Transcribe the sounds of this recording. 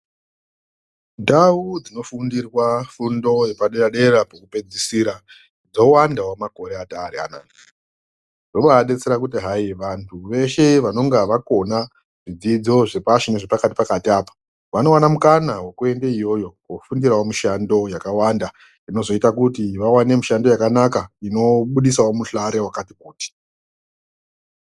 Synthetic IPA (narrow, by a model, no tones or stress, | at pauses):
ndaud͡zino̞fundirwafundo̞jepaɗeraɗe̞rapakupe̞d͡zisiɾa | d͡zo̞wandawamako̞ɾeataːɾea̰na̰ːni | roɓaaɗe̞t͡seɾakutiɦajiʋantʰuʋe̞ʃe̞ʋano̞ŋɡaʋako̞na | ʐ̥id͡zid͡zo̞ʐe̞paʃineʐepakati̥pakatiaːpḁ | ʋano̞wanamukanawe̞kue̞ndeijo̞jo̞kwofundiɾawomiʃando̞jakawanda | ino̞zo̞itakutiʋawane̞muʃando̞jakanakaino̞ɓuɗisaomuɬaɾe̞wakatikuːti̥